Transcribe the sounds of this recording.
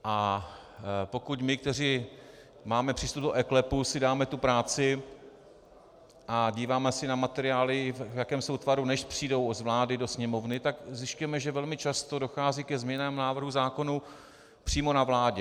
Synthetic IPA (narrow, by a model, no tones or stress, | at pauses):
ʔa | po̞kucmɪkt̪ɛr̝iː | maːmɛpr̥iːst̪ub̚doʔɛklɛpusɪdaːmɛt̪upɾaːt͡sɪ | ʔaɟiːvaːmɛsɪnamat̪ɛɾɪaːlɪvvjakɛːmsowt̪vaɾunɛʃpr̝̥iːdowozvlaːdɪdo̞sɲɛmo̞vnɪt̪aɡzjɪscujɛmɛʒɛvɛlmɪt͡ʃast̪o̞do̞xaːziːkɛzmɲɛnaːmnaːvr̩ɦuzaːko̞nu | pr̝̥iːmo̞navlaːɟɛ